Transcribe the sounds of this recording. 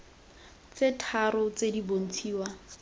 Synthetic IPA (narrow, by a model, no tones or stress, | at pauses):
t͡setʰaɾʊt͡sedibon̩t͡sʰiːwa